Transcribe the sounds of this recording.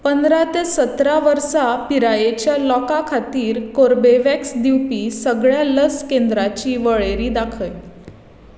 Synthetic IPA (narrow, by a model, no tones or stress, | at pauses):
pənd̪ɾat̪esət̪ɾaʋəɾsapiɾajet͡ɕjalɔkakʰat̪iːɾkoɾbeʋɛksd̪iwpiːsəɡɭjaləskend̪ɾat͡ɕiːʋəɭeɾiːd̪akʰəj